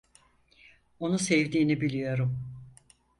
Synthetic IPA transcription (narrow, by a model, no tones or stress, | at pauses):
o̞nusevd̪iːnibilʲijo̞ɾum